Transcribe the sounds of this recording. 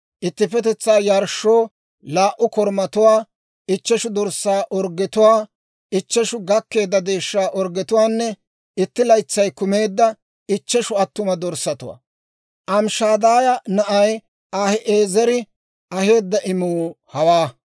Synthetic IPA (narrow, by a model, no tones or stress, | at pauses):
ʔɪt̪ːɪpɛt̪ɛt͡sːaːjɐɾʃːoː | laːʔʊkɔɾmɐt̪ʊwaː | ɪt͡ʃːɛʃʊd̪ɔɾsːaːʔɔɾɡɛt̪ʊwaː | ɪt͡ʃːɛʃʊɡɐkːe̞ːd̪ːɐd̪e̞ːʃːaːʔɔɾɡɛt̪ʊwaːnːɛ | ɪt̪ːɪlɐjt͡sːɐjkʊmeːd̪ːɐ | ɪt͡ʃːɛʃʊɐt̪ːʊmɐd̪ɔɾsɐt̪ʊwa̰ | ʔɐmʃaːd̪aːjɐnɐʔɐj | ʔaːhɛʔeːzɛɾɪ | ɐhe̞ːd̪ːɐʔɪmuːhɐwaː